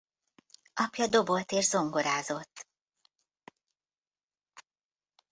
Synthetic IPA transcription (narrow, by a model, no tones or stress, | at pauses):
ɒpjɒd̪o̞bo̞lt̪eːʒzo̞ŋɡo̞ɾaːzo̞t̪ː